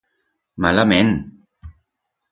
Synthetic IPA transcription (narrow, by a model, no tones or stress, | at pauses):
malamɛn